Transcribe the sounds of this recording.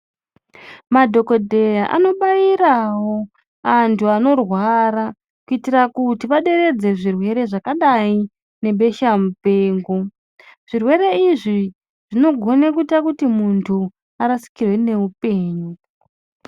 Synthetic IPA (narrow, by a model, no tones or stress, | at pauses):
madʱo̞ko̞dʱe̞jaʔa̰no̞ɓajiɾawo̞ | antʰuano̞rwaɾa | kuitirakutiʋaɗe̞ɾe̞d͡ze̞ʐirwe̞ɾe̞ʐakaɗai | ne̞ɓe̞ʃamupeːŋɡo̞ | ʐ̥irwe̞ɾe̞iʐi | ʐ̥ino̞ɡʱo̞nekuitakutimuntʰu | aɾasi̥kirwe̞ne̞upe̞ːɲu